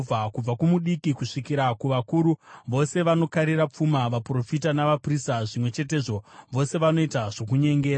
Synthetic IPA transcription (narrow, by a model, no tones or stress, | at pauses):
b͡vakub͡vakumuɗikikuʂikiɾakuʋakuːɾuʋo̞se̞ʋano̞kaɾirap͡fumaʋapro̞fitanaʋapristaʐimwe̞t͡ʃe̞te̞ːʐo̞ʋo̞se̞ʋano̞itaʐo̞k̬uɲe̞ŋɡe̞ːɾa